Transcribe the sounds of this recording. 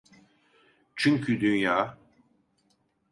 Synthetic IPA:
t͡ʃʰyɲcʰyd̪ynjaː

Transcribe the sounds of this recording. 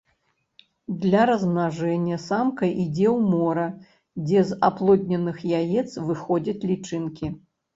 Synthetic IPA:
d̪lʲɐɾɐznaʐɛnʲːɐsamkɐʔid͡zʲɛwmɔɾɐ | d͡zʲɛzaplˠɔd̪ʲnʲɐnɨxjajɛt̪svɨxɔd͡zʲɐt͡sʲlʲit͡ʂɨnkʲi

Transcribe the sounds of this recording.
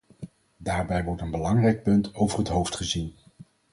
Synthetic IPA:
daːɹbɛjʋɔɹtənbəlɑŋrɛjk̚pɵntowvərɦətɦowftχəzin

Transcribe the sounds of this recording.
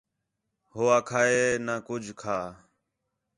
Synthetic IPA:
hoːaːkʰaːeːnaːkʊd͡ʒʱkʰaː

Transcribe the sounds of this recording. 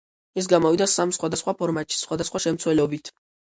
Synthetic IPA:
ɛs̬ɡamɔvid̪asamsχwad̪asχwapʰɔɾmat̪ʃi̥sχwad̪asχwaʃɛmt̪sʰwɛlɛɔbit̪ʰ

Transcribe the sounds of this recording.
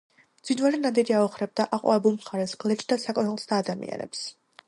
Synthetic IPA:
md̪z̥winvalɛnad̪iɾiaɔχɾɛb̚d̪aʔaqʼwa̰ɛbulˠmχaɾɛsɡ̥lɛt͡ʃʼd̪asakʼɔnalˠsd̪ʰaːd̪amḭa̰nɛ̰ps

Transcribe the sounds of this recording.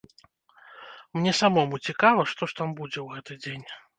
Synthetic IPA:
mnʲɛsamɔmut͡sʲikavɐʂt̪ɔʂt̪ambud͡zʲɛwɣɛt̪ɨd͡zʲenʲ

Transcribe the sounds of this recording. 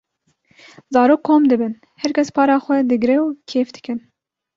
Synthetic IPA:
zɑːɾoːkʰːoːmd̪ɨbɨn | hɛɾkʲʰɛspʰɑːɾɑːxʷɛd̪ɨɡɾɛwkʰeːfd̪ɨ̥kɨn

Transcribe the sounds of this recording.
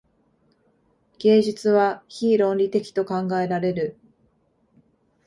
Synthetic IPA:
ɡ̥e̞ːʑɨt͡sɨβaçiːɾõ̞nɾʲit̪e̞kʲi̥t̪o̞kãŋɡae̞ɾaɾe̞ɾɯ̟

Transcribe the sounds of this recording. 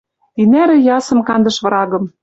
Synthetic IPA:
inæɾɘ̆jɑsɤ̆mkɑnd̪ɤ̆ʃβɤ̆ɾɑɣɤ̆m

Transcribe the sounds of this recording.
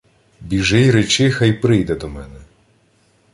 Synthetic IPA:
bʲiʒɪjɾet͡ʃɪxɐjpɾɪjd̪ɛd̪ɔmɛnɛ

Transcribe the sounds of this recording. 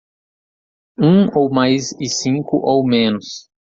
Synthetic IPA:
ũowmajzɪsĩŋkʊʔowmẽnʊs

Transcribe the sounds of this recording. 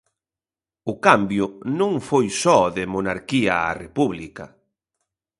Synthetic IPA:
ʊkambjʊnõŋfojsɔðɪmonaɾkiɐa̰repuβlikɐ̰

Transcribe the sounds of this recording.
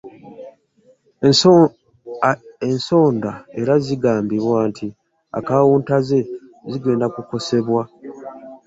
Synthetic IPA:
enso̞ːndae̞ɾaziɡaːmbiβwaːntʰi | a̰kawuːntaze̞ziɡe̞ːndakuko̞se̞βwa

